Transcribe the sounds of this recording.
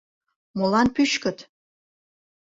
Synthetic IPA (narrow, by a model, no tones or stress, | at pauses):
molɑnpyʃkə̆t̪